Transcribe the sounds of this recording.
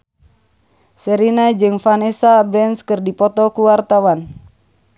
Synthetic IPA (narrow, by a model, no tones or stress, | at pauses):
sɛɾinad͡ʒɨŋfanɛsabɾɛnskɨrdipɔt̪ɔkuwart̪awan